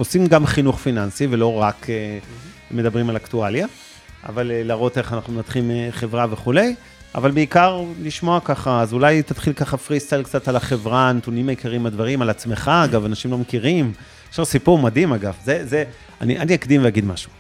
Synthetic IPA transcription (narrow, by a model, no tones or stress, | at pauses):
osimɡamχinuχfinansivelo̞ʁake | med̪abʁimalakt̪ualja | a̰valelaʁo̞t̪e̞χanaχnumenat̪χimeχevʁaveχule̞j | a̰valbeikaʁliʃmo̞akaχaːzulajt̪at̪χilkaχafʁist̪alkt͡sat̪alaχevʁanat̪unimaikaʁimad̪vaʁimalat͡smeχaːɡavanaʃimlo̞mekiʁim | eʃaʁsipuʁmad̪imaɡavzeze | a̰niʔaniakd̪imveaɡid̪maʃu̥